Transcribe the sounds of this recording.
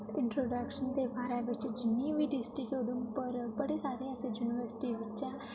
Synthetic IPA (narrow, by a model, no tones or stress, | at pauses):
ɪ̃ɳʈɾoːɖaːkʃənt̪ebaːɾaʋɪt͡ʃd͡ʒɪnːiʋiɖɪsʈɾikod̪ʊnpəɾbɐɽesaːɾeɛsejuːnɪʋəɾsɪ̥ʈiʋɪt͡ʃːʃɛ̃